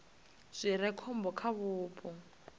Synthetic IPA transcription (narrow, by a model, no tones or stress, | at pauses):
z̥ʷɪɾɛkʰɔm̩bɔkʰaβʊːpʼɔ